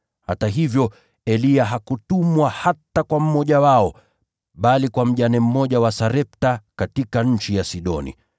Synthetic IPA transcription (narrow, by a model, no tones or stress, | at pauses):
hataɦivjɔ | ɛliaɦakutumwahatakwam̩mɔʄawaɔ | ɓalikwam̩ʄanɛm̩mɔʄawasaɾɛp̚takatikaɲ̩t͡ʃijasiɗɔ̰nḭ